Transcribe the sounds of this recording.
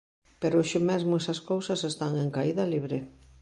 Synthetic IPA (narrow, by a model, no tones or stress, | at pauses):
peɾʊʃʊmezmʊesɐskowsɐsest̪aŋeŋkaiðɐliβɾe